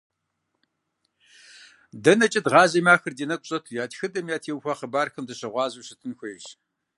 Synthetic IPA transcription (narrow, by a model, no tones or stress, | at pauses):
dɐnɐt͡ʃʼɐdʁɑːʑɐmaːxɨrdiːnɐk̚ʷʼɕʼɐtʰujaːtxɨdʼɐmjaːtʰeːwxʷɐχəbaːrxɐmdɨɕɐʁʷɑːzuwɕɨtʰɨnxʷɔjɕ